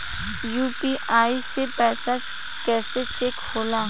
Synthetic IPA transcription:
juːpiʔaːisepɛːsat͡ʃ | kɛːset͡ʃekhoːlaː

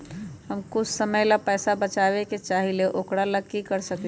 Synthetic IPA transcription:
ɦəmkʊt͡ʃʰsəməjlapɛːsabət͡ʃaːʋeket͡ʃaːɦileʔokɽaləkːikəɾsək

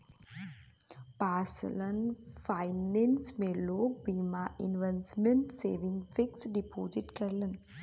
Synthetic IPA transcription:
paːslənfaɪnensmẽloːk̚biːmaʔɪ̰nʋensmeɳʈseːʋɪ̃ŋɡfɪksɖipoːd͡ʒɪʈkɐɾlən

